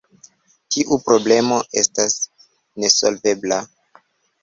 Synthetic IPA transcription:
tiʔupɾo̞ble̞mo̞ʔe̞stas | ne̞so̞lve̞bla

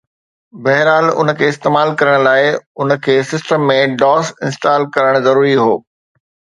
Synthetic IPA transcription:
bɐɦɪɾaːlʊ̰nə̆kʰeːɪst̪eːmaːlkɐɾəɽ̃laːɪʊnə̆kʰeːsɪsʈəmːẽɖɔːsɪ̃nsʈaːlkɐɾəɽ̃zɐɾuːɾiɦoː

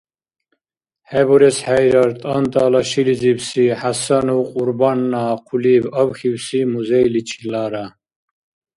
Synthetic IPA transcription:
hɛbɔɾɛsħajɾaɾt̪ʼant̪ʼaːlaʃiliziwsiħasanuwqʼuɾbanːaːqʰulibawxiwsimuzɛjlit͡ʃʰilaːɾa

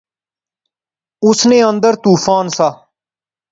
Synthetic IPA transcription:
ʊsnẽːənd̪əɾt̪uːpʰaːnsaː

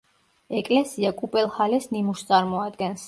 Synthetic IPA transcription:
ɛkʼlɛsiakʼupʼɛlˠhalɛsnimust̪sʼaɾmɔad̪ɡɛns

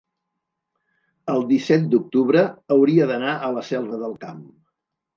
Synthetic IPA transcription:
əlˠd̪isɛt̪̚d̪uk̚t̪uβ̞ɾəːwɾiəðənaʔələsɛlˠrəðəlˠkam

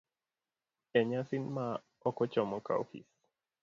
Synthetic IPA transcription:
ɛɲasinma | ɔkɔt͡ʃɔmɔka̰ṵhḭs

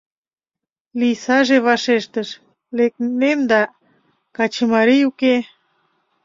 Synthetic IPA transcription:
lijsɑʒeβɑʃeʃt̪əʃ | lek̚nemd̪ɑ | kɑt͡ɕəmɑɾijuke

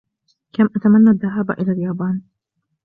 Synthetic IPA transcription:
kamʔat̪amanːaðːaɦaːb̰ʔɪlaːljaːbɑːn

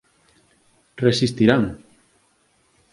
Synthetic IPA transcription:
resist̪iɾaŋ

